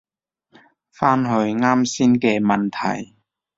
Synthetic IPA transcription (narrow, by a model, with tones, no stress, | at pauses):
faː˥nɦɵ˧ɥŋaː˥msiː˥nkɛː˧mɐ˨nt̪ʰɐ̰˨˩j